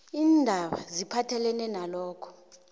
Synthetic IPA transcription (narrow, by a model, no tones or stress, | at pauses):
iːndʱaɓa̰zipʰatʰɛlɛnɛnalɔːkʰɔ̥